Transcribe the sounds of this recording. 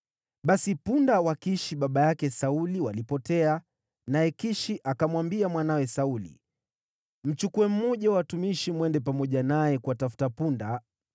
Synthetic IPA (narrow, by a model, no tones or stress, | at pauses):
ɓasipundawakiʃiɓaɓajakɛsauliwalipɔtɛa | najɛkiʃiʔakamwambiamwanawɛsaulḭ | m̩t͡ʃukuwɛm̩mɔʄawatumiʃimwɛndɛp̬amɔʄanajɛkuatafu̥tapunda